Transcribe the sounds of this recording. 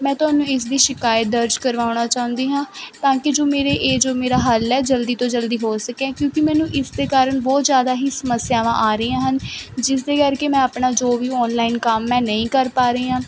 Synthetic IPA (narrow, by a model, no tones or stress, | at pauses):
mɛ̃ːt̪ʊɦaːnũːɪs̬d̪iːʃɪkaːjət̪̚d̪əɾd͡ʒkəɾʋaːʊnaːt͡ʃaːɦʊ̃nd̪iːɦãːt̪ãːkɪd͡ʒoːmeːɾeːʔeːd͡ʒoːmeːɾaːɦəlːɛːd͡ʒəld̪iːt̪õːd͡ʒəld̪iːɦoːsəkɛ̃ːkjõːkɪmɛ̃ːnũːʔɪsd̪eːkaːɾəɳbɔːt̪zjaːd̪aːɦiːsəməsːɪjaːʋãːʔaːɾəːãːɦənd͡ʒɪs̬d̪eːkəɾkeːmɛ̃ːapɳaːd͡ʒoːʋiːɔːnlaːinkəmːɛ̃ːnəĩːkəɾpaːɾəiːãː